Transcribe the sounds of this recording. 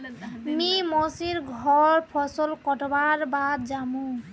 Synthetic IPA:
mimɔsiɹɡʱɔɹpʰɔsɔlkɔtɔbaɹbad̪zamũ

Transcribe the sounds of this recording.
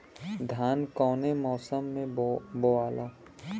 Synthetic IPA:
d̪ʱjaːnkɔːnemɔːsəmːẽboaːloː

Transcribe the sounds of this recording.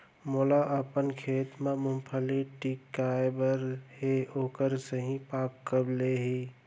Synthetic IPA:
molaʔəpənkʰeːt̪mãmʊmpʰəliʈikːajbəɾheoːkəɾsəɦĩpaːkkəbleɦi

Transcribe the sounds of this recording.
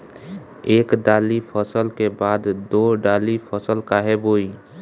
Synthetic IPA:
eːkɖaːlipʰəsəlkebaːd̪d̪oːɖaːlipʰɔsəlkaɦɛboːi

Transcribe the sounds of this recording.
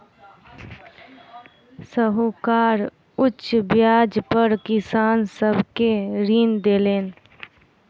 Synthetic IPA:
səɦukaːɾ | ʊtt͡ʃːʃbjaːd͡ʒpəɾkɪsaːnsəbʱkeɾiːnd̪eːleːn

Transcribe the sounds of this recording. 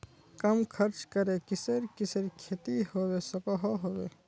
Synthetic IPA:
kɐmkʰɐɾt͡ʃkɐɾekɪsəɾkɪsəɾkʰeːt̪iɦoːweːsɐkɔɦoɦoːweː

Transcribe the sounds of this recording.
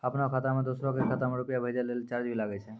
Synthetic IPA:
apnɔkʰat̪amed̪osɾɔkekʰat̪ameɾupijabʱəjd͡ʒalelt͡ʃaɾd͡ʒbʱilaɡɛjt͡ʃʰɛ

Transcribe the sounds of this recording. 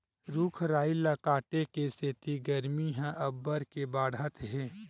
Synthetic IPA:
ɾukʰɾaːilakaːʈekeset̪iɡəɾmiɦɛ̃ʔɐbːəɾkebaːɽət̪ɦɛː

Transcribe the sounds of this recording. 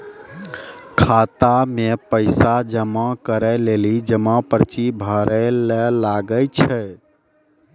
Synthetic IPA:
kʰat̪amepəɪsad͡ʒəmãkəɾɛlelid͡ʒəmãpəɾt͡ʃibʱəɾɛlɛlaɡət͡ʃʰɛ

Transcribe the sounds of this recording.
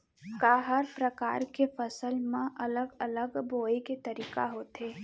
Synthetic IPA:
kaːɦəɾpɾəka̰ːɾkefɐsəlmẽʔɐləɡɐləɡboːeket̪ɐɾiːkaɦoːt̪ɦeː

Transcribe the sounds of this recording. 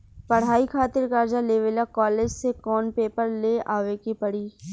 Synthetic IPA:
pɐɽ̤ɦaːikʰaːt̪ɪɾkaːɾd͡ʒaleːʋelakɔːleːd͡ʒsekɔːnpeːpəɾleaːʋekipɐɽiː

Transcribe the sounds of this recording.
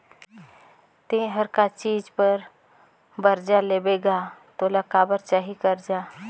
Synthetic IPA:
t̪ẽɦəɾkat͡ʃiːd͡ʒpəɾ | bəɾd͡ʒaleːbeːɡat̪oːlakaːbəɾt͡ʃaːɦikəɾd͡ʒaː

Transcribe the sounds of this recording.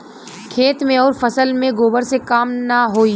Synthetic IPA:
kʰeːt̪mẽɔːɾfɐsəlmẽɡoːbəɾsekaːmnaɦoːi

